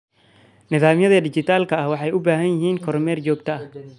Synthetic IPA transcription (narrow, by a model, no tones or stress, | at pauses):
nɪðaːmjɐðɐd̪ɪt͡ʃɪt̪ʰaːlkʰɐɐhwɑħɑjʔʊbaːɦɐnjɪɦiːŋkʰɔɾmɛːrt͡ʃɔːɡt̪ʰɐɐh